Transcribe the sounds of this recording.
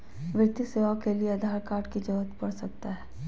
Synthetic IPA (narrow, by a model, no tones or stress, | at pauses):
ʋɪt̪iseːʋakelieɐd̪ʱaːɾkaːɾʈkid͡ʒɔɦət̪pɐɽsɐk̚t̪aɦɛː